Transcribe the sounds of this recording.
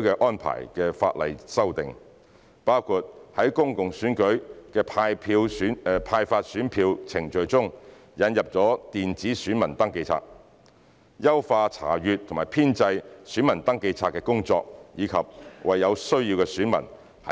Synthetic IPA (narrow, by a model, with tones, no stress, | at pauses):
kɛ˧ʔɔː˥npʰa̰ː˨˩jkɛː˧fa̰ː˧t̚lɐ̰˨jsɐ˥wt̪ɪ˨ŋ | paː˥wkʰuː˨˧t̚hɐ˨˥jkʊ˥ŋkʊ˨ŋsyː˨˥nkɵ˨˥ɥkɛː˧pʰaː˧jpʰi˧˨˥pʰaː˧jfaː˧t̚syː˨˥npʰiː˧wt͡sʰɪ˨˩ŋt͡ʃɵ˨˧ɥt͡sʊ˥ŋ | jɐ˨˥njɐ˨p̚t͡sɔː˨˥t̪iː˨nt͡siː˨˥syː˨˥nmɐ˨˩nt̪ɐ˥ŋke˧jt͡sʰa̰ː˧t̚ | jɐ˥wfaː˧t͡sʰa̰ː˨˩jyː˨t̪ʰʊ˨˩maː˨˩jpʰiː˥nt͡sɐ˧jsy˨˥nmɐ˨˩nt̪ɐ˥ŋke˧jt͡sʰaː˧t̚kɛː˧kʊ˥ŋt͡sɔ̰ː˧k̚jiː˨˧kʰɐ˨p̚wʔɐ˨jːɐ˨˧wsɵ˥ɥji˧wkɛ˧syː˨˥nmɐ̰˨˩n | hɐ˨